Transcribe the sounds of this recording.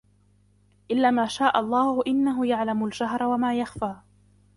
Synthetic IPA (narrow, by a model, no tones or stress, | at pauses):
ʔɪlːaːmaːʃaːʔɑlˤːɑːhʊʔɪnːaɦʊjaʕlamʊld͡ʒaɦɾˤawamaːjaxfaː